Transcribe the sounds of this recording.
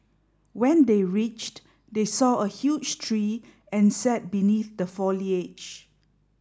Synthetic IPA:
wɛ̃ndeɹit͡ʃt | desɔəhjud͡ʒtʰɹi | ɛ̃nsɛt̚biniθdəfɔliet͡ʃ

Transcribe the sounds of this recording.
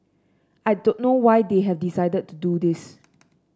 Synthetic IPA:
ajdõnːowajdeɦɛvdisajdəd̚tududis

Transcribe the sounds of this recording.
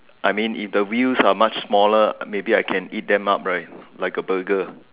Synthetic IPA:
ʔajmĩnʔḭfdəwilsamat͡ʃsmɔləmebiaɪkʰɛ̃nit̚dɛ̃map̚ɹaɪt̚laɪkəbəɡə

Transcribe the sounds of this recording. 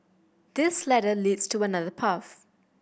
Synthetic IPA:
ð̥ɪslɛɾəliːdstʰuənaðəpʰaθ

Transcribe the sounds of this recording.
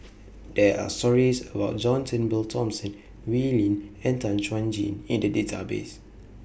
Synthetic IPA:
dɛa̰stɔɹisəbaʊt̚d͡ʒɔ̃ntə̃nbiltʰɔ̃msə̃n | wilĩnɛ̃ntãnt͡ʃwãnd͡ʒḭ̃nĩndədetʰa̰bḛs

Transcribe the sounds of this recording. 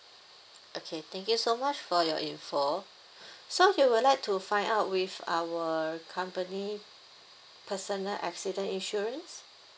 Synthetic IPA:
ʔokʰet̪ʰɛ̃ŋkjusomat͡ʃfɔjɔ̰ʔĩnfɔ | sojuwilajk̚tʰufãɪ̃ndaʊt̚wiva̰wəkʰãmpəni | pʰəsənəlʔɛ̰ksidə̃nĩnʃuɹə̃ns

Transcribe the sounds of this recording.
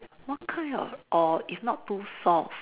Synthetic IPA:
wɔt̚kʰãɪ̃ɔ̰ʔɔifnɔttːusɔf

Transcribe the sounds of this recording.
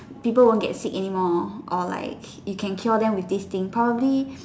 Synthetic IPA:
pipəlwõnɡɛ̰tsikɛnimɔʔɔla̰ɪk | jukʰɛ̃nkʰildɛ̃mwifdist̪ĩŋpʰɹɔbəbli

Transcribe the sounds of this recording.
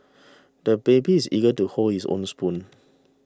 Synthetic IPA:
d̥əbebiːsḭɡətuholhisõ̰nspũn

